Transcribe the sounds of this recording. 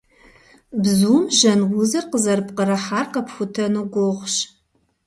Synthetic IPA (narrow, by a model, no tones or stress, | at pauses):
bzuːmʒɐnwʊzɐrqəzɐrpqəɾɐħaːrqɐpʰxʷʊtʰɐnoɡʷoʁʷʃ